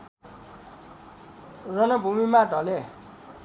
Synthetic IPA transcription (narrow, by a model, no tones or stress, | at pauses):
rʌnʌbʱumimaɖʱʌle